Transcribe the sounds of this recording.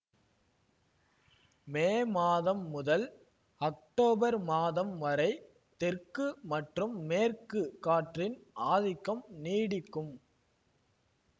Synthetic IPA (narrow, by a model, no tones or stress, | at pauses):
meːmaːðɐmːʊðɐl | ɐk̚ʈoːbɐɾmaːðɐmʋɐɾɐɪ | t̪ɛrkɯmɐʈrɯmːeːrkɯkːaːʈrɪnʔaːðɪkːɐmniːɽɪkːɯm